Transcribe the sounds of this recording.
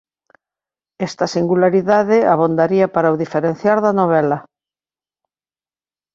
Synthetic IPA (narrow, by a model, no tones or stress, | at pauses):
ɛst̪ɐsiŋɡulaɾiðaðɪaβ̞ond̪aɾiapaɾawðifeɾen̟θjaɾðanoβ̞ɛla